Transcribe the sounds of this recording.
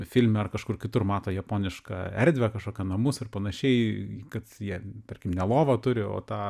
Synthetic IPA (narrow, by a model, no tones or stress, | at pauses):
fʲɪlʲmʲɛɐrkɐʃkʊrkʲɪt̪ʊrmɑːt̪oːjɛpoːnʲɪʃkɑ̰ːɛɾʲd̪ʲʋʲɛkɐʃkoːkʲɛnɐmʊsɐrpɐnɐʃʲɛɪkɐt̪jiɛt̪ɐrʲkʲɪmnʲɛlˠoːʋɐt̪ʊɾʲɪo̰ːt̪ɑː